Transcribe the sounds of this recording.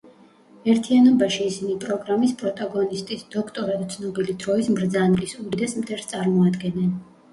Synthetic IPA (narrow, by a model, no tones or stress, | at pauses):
ɛɾt̪ʰianɔbaʃiːsinipʼɾɔɡɾamispʼɾɔt̪ʼaɡɔnist̪ʼisd̪ɔkʰt̪ʼɔɾad̪t̪sʰnɔbilid̪ɾɔismɾd̪zanlisud̪id̪ɛsmt̪ʰɛɾst̪sʼaɾmɔad̪ɡɛnːɛn